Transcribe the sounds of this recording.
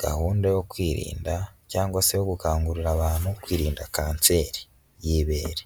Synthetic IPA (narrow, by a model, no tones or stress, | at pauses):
ɡ̥a̰huːndejokwiːɾḭːndacaːŋɡwasejoɡukaːŋɡuɾiɾaβaːnhukwiːɾiːndakaːnt͡se̞ːɾi | jiβeɾe